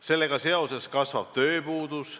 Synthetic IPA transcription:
se̞lːeɡ̥ɑse̞o̞se̞skɑsvɑb̥̚t̪øːpuːd̪̥us

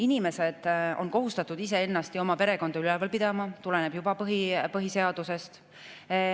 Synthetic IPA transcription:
inime̞se̞d̪̥o̞nko̞ɦust̪ɑt̪ːˑud̪ise̞e̞nːɑst̪io̞mɑpe̞ɾe̞ko̞nd̪̥ɑylelvɑlpid̪̥ɑmɑt̪ule̞ne̞b̥jubɑpɤɦipɤɦise̞ɑd̪̥use̞st̪

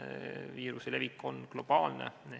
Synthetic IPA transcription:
viːɾusele̞vikːo̞nklo̞b̥ɑːlnḛ

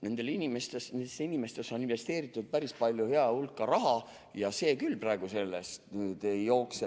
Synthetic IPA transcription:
ne̞nd̪e̞linimest̪esnend̪esinimest̪e̞so̞ninve̞st̪e̞ːɾit̪ːˑud̪̥̚pæɾispɑlʲjuhe̞ɑulkːˑɑɾɑɦɑ | jɑse̞ːkylprɑeɡ̥use̞lːest̪nyt̪ejo̞ːkse

